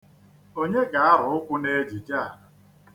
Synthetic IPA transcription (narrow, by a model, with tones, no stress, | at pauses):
o˦ɲe˦ɡa˨a˦ɾʊ˨ʊ˦kʷʊ˦ne˦d͡ʒi˨d͡ʒa˦˨